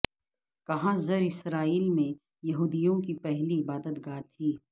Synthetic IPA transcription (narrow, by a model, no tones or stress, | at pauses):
kɐɦãzɐɾɪsɾaːiːlmẽ | jɐɦuːd̪ijõkipɛɦliɪbaːd̪ət̪ɡaːt̪ʰːiː